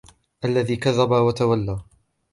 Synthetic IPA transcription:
ʔalːaðiːkaðːabawat̪awalːaː

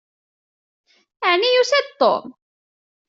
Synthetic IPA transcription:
aʕnijusæd̪̚t̪ˤːo̰m

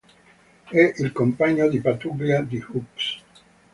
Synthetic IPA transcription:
ɛʔilkompaɲod̪ipat̪uɡliad̪ihups

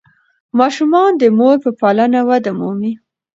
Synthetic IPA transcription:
mɑʃumɑnd̪əmoɾpəpɑlanawad̪amumi

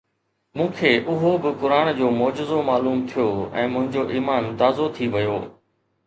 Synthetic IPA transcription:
mũːkʰeːʔʊɦobɪkʊɾaːnd͡ʑoːmɔːd͡ʑɪzomaːluːmt̪ʰijoːɛ̰̃ːmʊ̃ɦɪ̃ɲd͡ʑoʔiːmaːnt̪aːzot̪ʰiʋɐjoː

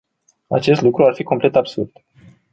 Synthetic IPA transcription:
a̰t͡ʃe̞st̪lukɾuarfiko̞mple̞t̪absurd̪̥

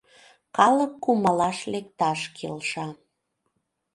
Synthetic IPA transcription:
kɑləkːuməlɑʃlekt̪ɑʃkʰḛlʃɑ

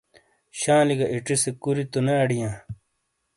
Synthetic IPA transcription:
ɕãːliɡaʔiʈisekuɾit̪uneɐɖijãː

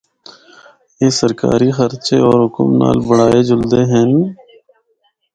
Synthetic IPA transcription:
jeːsəɾka̰ːɾixəɾt͡ʃeːɔːɾɦʊkəmna̰ːlbəɽaːed͡ʒʊld̪eːɦɛːn

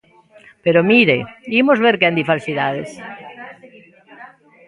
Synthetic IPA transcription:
peɾomiɾḛimozβeɾkeand̪ifalsiðaðes

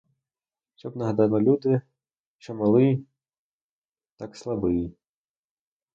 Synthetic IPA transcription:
ʃt͡ʃɔbnɐɦɐd̪ɑnɔlʲud̪ɪ | t͡ʃɔmɐlˠɪj | t̪akslˠɐbɪj

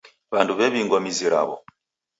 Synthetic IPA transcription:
βanduβɛβiŋɡwɔmiziɾa̰βɔ̰

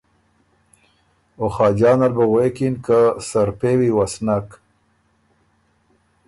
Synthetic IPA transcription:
oχɑːd͡ʒɑːnalbaɣwekinkasaɾpewiwasnak

